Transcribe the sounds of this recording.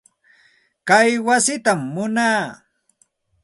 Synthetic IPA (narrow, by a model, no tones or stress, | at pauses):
kajwasɪt̪amːʊnaː